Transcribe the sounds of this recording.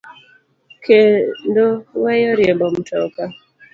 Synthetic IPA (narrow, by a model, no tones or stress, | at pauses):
kendowajɔɾjembɔm̩tʰɔka